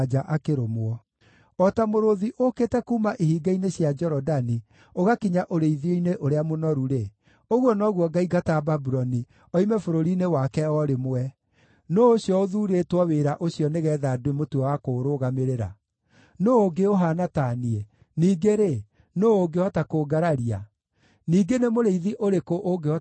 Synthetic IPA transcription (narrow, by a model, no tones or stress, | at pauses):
d͡ʒaʔakeɾomwɔ | ɔtamoɾoðiʔokeːtɛkuːmaʔihiɡaineɕjad͡ʒɛɾɔdani | oɣakiɲaʔoɾeiðioineʔoɾeamonɔɾuɾe | oɣwɔnɔɣwɔɡaiɡatababuɾɔni | ɔimɛfoɾoɾinewakɛɔɾemoɛ | noːɕjɔoðuɾetwɔweɾaʔoɕiɔneɣɛːðadoemotuɔwakoːɾoɣameɾeɾa̰ | noːɡeoɦanataːniɛ | niːɡeɾe | noːɡeɔtakoɡaɾaɾia̰ | niːɡenemoɾeiðiʔoɾekoʔoɡeɔ